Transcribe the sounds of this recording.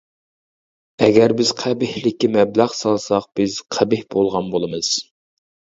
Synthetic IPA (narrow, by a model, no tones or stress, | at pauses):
ɛɡʲɛɾbɪz̥qʰæbɪhlɪkʲːimɛblæʁsɑlˠsɑq̚b̥ɪz̥qʰæbɪhb̥olˠʁɑnbolˠɨmɨz̥